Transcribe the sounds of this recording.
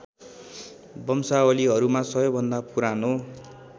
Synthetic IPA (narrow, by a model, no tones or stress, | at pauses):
bʌmsaoliɦʌɾumasʌɦjʌbʱʌnd̪apuɾano